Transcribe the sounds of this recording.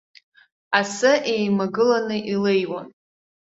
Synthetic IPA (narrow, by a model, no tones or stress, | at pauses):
asɨʔe̞jmaɡɨlanɨʔilejwa̰n